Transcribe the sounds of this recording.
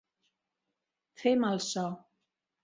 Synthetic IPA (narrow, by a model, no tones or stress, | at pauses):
fɪmalsaw